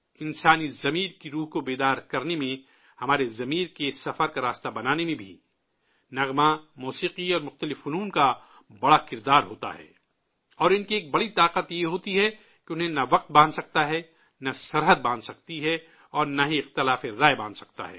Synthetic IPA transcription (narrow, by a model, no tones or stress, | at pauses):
ɪ̃nsaːnizɐmiːɾkiɾuːɦkobeːd̪aːɾkɐɾnemẽ | hɐmaːɾezɐmiːɾkesɐfəɾkaɾaːst̪abɐnaːnemẽbʱi | nɐɣmãmuːsiːqiɔːɾmʊxt̪əlɪfʊnuːnka | bɐɽakɪɾd̪aːɾɦoːt̪a̰ɦɛ̰ː | ɔːɾɪnkieːk̚bɐɽit̪aːqət̪jeɦoːt̪iɦɛ | keʊnɦẽnɐʋɐq̚t̪̚bãːnsɐk̚t̪aɦɛ | nɐsɐɾɦəd̪̚bãːnsɐk̚t̪iɦɛ | ɔːɾnaɦiɪxt̪ɪlaːfeɾaːebãːnd̪sɐkt̪a̰ɦɛ̰ː